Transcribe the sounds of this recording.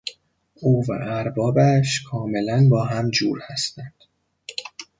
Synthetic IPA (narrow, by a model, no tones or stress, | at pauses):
uːvæ̰ʔæɾbɒːbæʃkʰɒːme̞lænbɒːɦæmd͡ʒuːɾhæst̪ænd̪̥